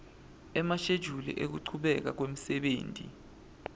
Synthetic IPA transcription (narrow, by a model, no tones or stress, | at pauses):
ɛmaʃed̥ʒ̥ʱulɛ̰ʔek̬uǀʰuɓɛk̬a̰k̬wem̩sɛɓeːntʼḭ